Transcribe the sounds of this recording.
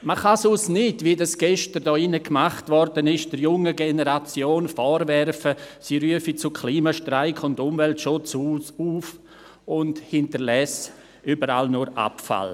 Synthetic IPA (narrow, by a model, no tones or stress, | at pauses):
maχasusnɪdvidasɡ̥ɛʃtərdɔːɪnəkmaχtvɔrdənɪʃd̥əɾjʊŋəɡenəɾat͡sjoːnfɔːɾvɛɾfəsiːɾyəfit͡sʊkʰliːmaʃtraɪkʰʊndʊmvɛltʃʊt͡suuːf | ʊndhɪntəɾlɛs | ʔybəɾa̰lnʊɾa̰pfa̰l